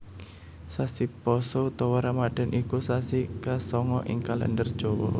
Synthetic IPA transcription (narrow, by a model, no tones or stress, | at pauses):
sasipɔsot̪ɔwaɾamaɖ̥a̤nʔikusasikasɔŋɔʔɪŋkalɛ̰ndərd̥ʒ̥ɔwɔ̰